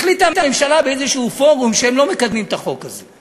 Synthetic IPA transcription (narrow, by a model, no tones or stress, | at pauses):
χlit̪amtamemʃalabeezeʃuufo̞ʁumʃeemlo̞mekad̪mimt̪aχo̞kaze